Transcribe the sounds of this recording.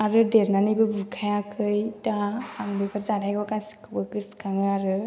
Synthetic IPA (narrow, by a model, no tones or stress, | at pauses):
aɾɯdeɾnanijbɯbuɾkʰajakʰɯjtahaŋbepʰaɾzadajɡɔkasi̥kʰɯbɯkɯskʰaŋɯaɾɯ